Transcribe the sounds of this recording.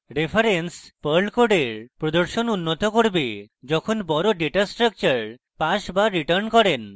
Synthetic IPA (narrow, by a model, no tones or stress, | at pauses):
ɾepʰaɾenspəɾlkoɖeɾpɾod̪oɾʃonunːot̪okoɾbed͡ʒɔkʰonbɔɾoɖeʈasʈɾək̚t͡ɕəɾ | paʃbaɾiʈəɾnkɔɾen